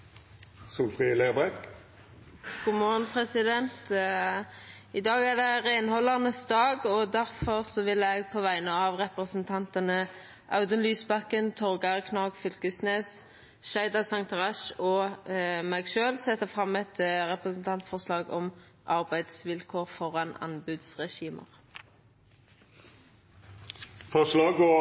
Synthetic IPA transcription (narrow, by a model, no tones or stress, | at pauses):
sulfʁileːʁbɛk | ɡ̥uːmɔʁnpʰʁɛsɪd̪ɛnt̪ | ɪd̪ɑːɡæʁd̪ɛʁeːnhɔlːɑʁnəsd̪ɑːɡɔd̪æʁfɔʁsɔʋɪlɛɡ̚pʰɔʋæɪnəɑʋʁɛpʁəsənt̪ʰɑnt̪ənə | ʔɑʉd̪ənlyːsbɑkːənt̪ʰɔʁɡɑʁkʰnɑːɡfʏlkəsneːs | ʃæɪd̪ɑsɑŋt̪ʰʁɑʃɔ | mæɡʃøːlsɛt̪ːəfʁɑmɛt̪ʁɛpʁəsn̩t̪ʰɑnt̪fɔʁslɑːɡɔ̰m | ʔɑʁbæɪd̪sʋɪlkʰoːʁfɔʁɑnɑ̰nbʉːd̪sʁɛʃiːmə̰ʁ | fɔʂlɑːɡɔ